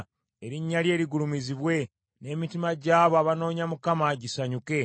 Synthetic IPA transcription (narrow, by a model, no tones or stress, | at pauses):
e̞ɾiɲːalje̞ːɾiɡulumiziβwe̞ | ne̞mitimaɟaːβoaβano̞ːɲamukamaɟisaɲuke̞